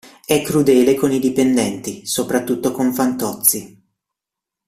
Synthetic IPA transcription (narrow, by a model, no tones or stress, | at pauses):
ɛkːɾud̪eːlekonid̪ipend̪ɛnt̪isopɾat̪ːut̪ːokoɱfant̪ɔt̪sːi